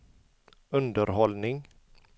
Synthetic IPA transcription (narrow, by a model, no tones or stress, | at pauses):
ɵnd̪əɾɦɔlnɪŋ